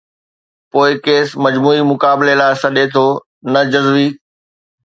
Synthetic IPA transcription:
poːɪkeːsmɐd͡ʑmuːimʊkaːbɪlelaːɪsɐɗet̪ʰoː | nɐd͡ʑɐzʋiː

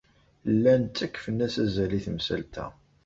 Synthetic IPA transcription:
lːænt̪ːækːfənːæsæzæliθəmsæ̰lt̪ʰæ̰

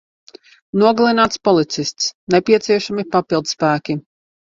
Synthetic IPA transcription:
nuɔɡalˠinaːt̪spɔlˠit̪sist̪snepiɛt̪siɛʃamipapilˠd̪spæːkʲi

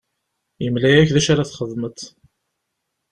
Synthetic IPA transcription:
əmlæjæçðæʃaɾaθχəðˤmət̪

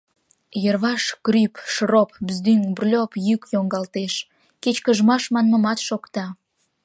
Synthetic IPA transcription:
jərβɑʃkrypʃrop̚bzd̪yŋbrlʲopjykjoŋɡɑlt̪eʃ | ket͡ɕkəʒmɑʃmɑnməmɑt̪ʃokt̪ɑ

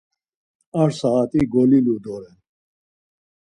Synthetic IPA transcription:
aɾsaat̪ʼiɡɔlilud̪ɔɾɛn

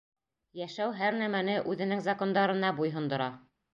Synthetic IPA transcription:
jæʃæwɦæɾnæmænɘʔʉðɘ̆nɘŋzɑko̞nd̪ɑɾɤ̆nɑbujɦɤ̆nd̪ŏɾɑ

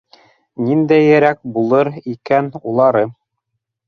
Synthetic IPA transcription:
nind̪æjɘ̆ɾæk̚bulˠɤɾikænulˠɑɾɤ

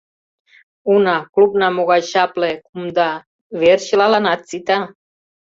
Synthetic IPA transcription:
unaklubnamoɣaɕaplekumd̪a | veɾʃilalanat̪t͡sit̪a

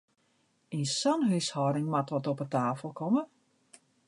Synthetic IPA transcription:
insɔnɦyshɔɾɪŋmatʋɔtɔpətaːfəlˠkɔmə

